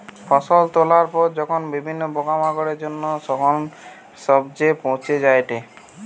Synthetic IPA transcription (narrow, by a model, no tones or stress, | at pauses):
fɔsolt̪olaɾpɔɾd͡ʑɔkʰonbibʱinːobɔɡamaɡɔɽeɾd͡ʑonːoʃɔkʰon | ʃɔbd͡ʑepõw̃t͡ɕʰed͡ʑaeʈe